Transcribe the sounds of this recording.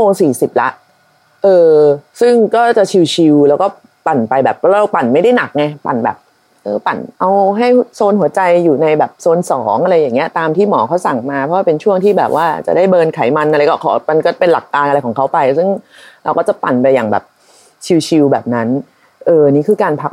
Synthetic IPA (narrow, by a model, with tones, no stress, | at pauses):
oː˧ŋsiː˨˩si˨˩p̚la̰˦˥ʔ | ʔɤː˧sɯ˥˩ŋkɔː˥˩t͡ɕa˨˩t͡ɕʰi˧wt͡ɕʰi˧wlɛː˦˥wkɔː˥˩ | pa˨˩npa˧jbɛː˨˩p̚ʰːɾɔ˦˥ɾa˧wpa˨˩nma˥˩da˥˩jna˨˩k̚ŋa˧jpa̰˨˩nbɛ̰ː˨˩p̚ | ʔɤː˧pa˨˩nʔa˧wɦa˥˩jsoː˧nhu˩˦ɐt͡ɕa˧jːuː˨˩na˧jbɛː˨˩p̚soː˧nsɔː˩˦ŋʔa˧ɾa˧jːa˨˩ŋːi˦˥ɐʔt̪aː˧mt̪ʰiː˥˩mɔː˩˦kʰa˧˦˥wsa˨˩ŋmaː˧ɔ˧˦˥waː˥˩pe˧nt͡ɕʰu˥˩əŋt̪ʰiː˥˩bɛː˨˩p̚waː˥˩t͡ɕa̰˨˩daː˥˩jbɤː˧nkʰa˩˦jma˧nʔa˧ɾa˧jkɔː˥˩kʰɔ̰ː˩˦ma˧nkɔː˥˩pe˧nla˨˩kːaː˧nʔa˧jkʰɔː˩˦ŋkʰa˦˥wpa˧jsɯ˥˩ŋ | ɾa˧wkɔː˥˩t͡ɕa˨˩pa˨˩npa˧jːaː˨˩ŋbɛ̰ː˨˩p̚ | t͡ɕʰi˧wt͡ɕʰi˧wbɛ̰ː˨˩p̚na˦˥n | ʔɤː˧a˧niː˦˥kʰɯː˧kaː˧npʰa˦˥k